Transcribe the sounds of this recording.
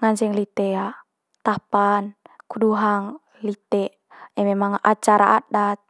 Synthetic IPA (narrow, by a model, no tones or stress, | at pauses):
ŋaɲd͡ʒɛŋlit̪ɛa | t̪apankuduɦaŋ | lit̪ɛ | ɛmɛmaŋa̰t͡ʃaɾa̰adat̪̚